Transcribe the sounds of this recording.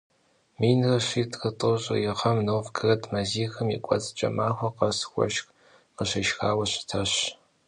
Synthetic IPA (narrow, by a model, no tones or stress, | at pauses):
miːnɨrɐɕiːtqətʼɨɕʼɐ̰jɪʁɐmnoːfɡʰɨrɐtʰmɐziːxɨmḭːkʷʼɔ̰t͡sʼt͡ʃʼɐ̰maːxʷɐqɐsxʷɔ̰ʃk | qəɕɐʃxaːwɐɕɪ̥tʰɐɕ